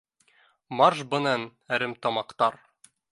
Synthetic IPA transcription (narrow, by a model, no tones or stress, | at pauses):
mɑrʃbɤ̆nænæɾɘmt̪ɒmɑqt̪ɑɾ